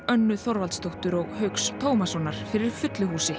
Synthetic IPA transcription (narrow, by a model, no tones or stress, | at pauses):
œnːʏθɔɾvalt̪st̪owht̪ʏɾɔɣhœɥkst̪ʰoːwmasɔːnaɾ̥fɪɾɪɾ̥fʏt̪lʏhuːsɪ